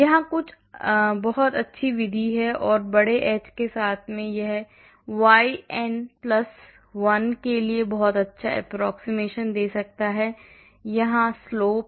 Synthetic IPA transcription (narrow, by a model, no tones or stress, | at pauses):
jɐɦãkʊt͡ʃʰ | bɐɦɔt̪ɐtːʃʰiʋɪd̪ʱiɦɛʔɔːɾbɐɽeʔɛːt͡ʃkesaːt̪ʰmẽjɐɦɛ | ʋaːiɛnplɐs | ʋɐnkeliebɔɦɔt̪ɐtːʃʰaʔɛ̰pɾɔːksimeːʃənd̪eːsɐk̚t̪aɦɛː | jɐɦãsloːp̚